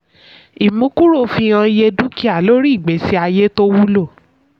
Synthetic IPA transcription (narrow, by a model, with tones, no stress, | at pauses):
i˨mũ˨˦ku˦ɾo˦˨fĩ˧˨ã˧je˧du˦ki˦a˦˨lo˦ɾi˦˨ɡ͡be˨˦si˦a˧je˦to˦wu˦lo˦˨